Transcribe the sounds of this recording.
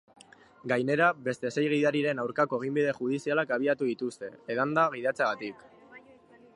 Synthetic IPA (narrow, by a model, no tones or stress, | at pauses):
ɡajne̞ɾaβe̞st̪e̞se̞jɣ̞iðaɾiɾe̞nawɾkako̞eɣ̞imbiðe̞xuð̞isialakaβ̞iat̪uðit̪ust̪e̞eðand̪aɣ̞iðat͡seaɣat̪ik